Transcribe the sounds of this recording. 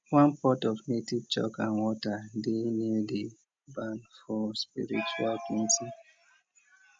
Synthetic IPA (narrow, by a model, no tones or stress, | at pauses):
wãnpɔtɔfnetivt͡ʃɔ̰kãnwɔtadenedi | bãnfɔspḭɹḭt͡ʃualkĩnti